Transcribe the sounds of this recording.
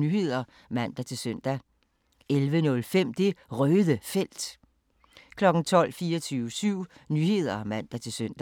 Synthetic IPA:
nyːhe̝ð̰ˠɐ | mæn̰d̥æt͡sʰe̝lsøn̰d̥æ | elʋənɔ̽lfem̰d̥e̝ʁœːðˠəfel̰d̥ | kʰlɒ̽ɡ̥n̩t͡sʰɒ̽l̰fiːɒt͡sʰyːʊəsyʊ̰nyːhe̝ð̞̰ˠɐmæn̰d̥æt͡sʰe̝lsøn̰d̥

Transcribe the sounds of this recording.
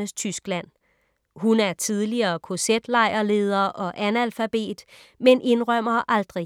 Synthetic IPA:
əst͡sʰysɡ̥læn̰ | ɦunæɐt͡sʰið̞ˠliɐːkʰo̝sed̥lɑ̈ɪ̰ɐle̝ːð̞ˠɐʔɒ̽ʔænælfæb̥e̝̰ːd̥menʔe̝nʁɶm̰ɐʔɑ̈ld̥ʁi

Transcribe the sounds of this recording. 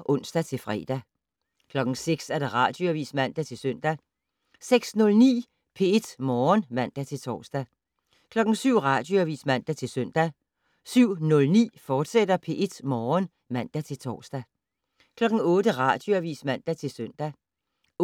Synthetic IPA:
ʔɔ̽n̰sd̥æt͡sʰe̝lfʁɛ̰ːd̥æ | kʰlɒ̽ɡ̥ŋ̩seɡ̥sæɐɾ̥eʁɑ̈ːd̥joæʋḭːsmæn̰d̥æt͡sʰe̝lsœn̰d̥æ | seɡ̥snɔ̽lnḭː | pʰe̝e̝d̥mɒːnmæn̰d̥æt͡sʰe̝lt͡sʰɒ̰ːsd̥æ | kʰlɒ̽ɡ̥n̩syʊ̰ʁɑ̈d̥joæʋḭːsmæn̰d̥æt͡sʰe̝lsœn̰d̥æ | syʊ̰nɔ̽lnḭːfɒːd̥sed̥ɐpʰe̝ʔe̝d̥mɒːn | mæn̰d̥æt͡sʰe̝lt͡sʰɒ̰ːsd̥æ | kʰlɒ̽ɡ̥n̩ɔ̽ːd̥əʁɑ̈d̥joæʋḭːsmæn̰d̥æt͡sʰe̝lsøn̰d̥æ

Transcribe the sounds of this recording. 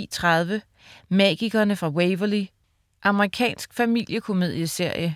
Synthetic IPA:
ḭːt͡sʰʁɑðˠʋə | mɛɡ̥iɡ̥ɐnəfʁɑ̈weɪʋɐli | ʔɑ̈məʁikʰɛ̰ːnsɡ̥fæmil̰jəkʰo̝me̝ð̞ˠjəse̝ɐ̰jə

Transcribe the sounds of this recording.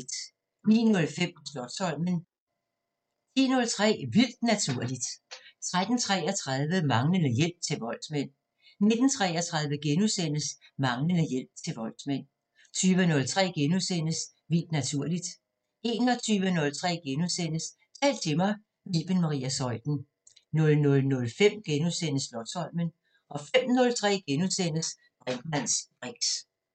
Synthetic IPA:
d̥ | nḭːnɔ̽lfem̰sd̥ɒ̽ɡ̥sɒ̽l̰mən | t͡sʰḭːnɔ̽lt͡sʰʁɛ̰ːʋil̰d̥næt͡sʰuɐ̰lid̥t͡sʰʁad̥n̩t͡sʰʁɛːɒt͡sʰʁað̞ˠʋəmɑ̈ŋlənəjel̰b̥̚t͡sʰe̝lʋɒ̽l̰̥smen̰ | ne̝d̥n̩t͡sʰʁɛːɒt͡sʰʁäðˠʋəɡ̥enusen̰əsmɑ̈ŋlənəjel̰b̥̚t͡sʰe̝lʋɒ̽l̰̥smen̰ | t͡sʰyːʋənɔ̽lt͡sʰʁɛ̰ːɡ̥enuðˠsen̰əs | ʋild̥næt͡sʰuɐ̰lid̥ | e̝ːnɒ̽t͡sʰyːʋənɔ̽lt͡sʰʁɛ̰ːɡ̥enuðˠsen̰əs | t͡sʰɛ̰ːld̥̚t͡sʰe̝mɑ̈ɪ | miːb̥enmɑ̈ʁḭæsɒ̽ɪd̥n̩ | nɔ̽lnɔ̽lnɔ̽lfem̰ɡ̥enuðˠsen̰əslɒ̥̽sɒ̽l̰mən | ʔɒ̽fem̰nɔ̽lt͡sʰʁɛ̰ːɡ̥enuðˠsen̰əs | b̥ʁɛn̥mæn̰sb̥ʁeɡ̥s

